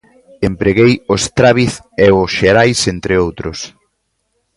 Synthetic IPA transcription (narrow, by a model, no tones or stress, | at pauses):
empɾeɣejost̪ɾaβiθ | eʊsʃeɾajsent̪ɾɪowt̪ɾʊs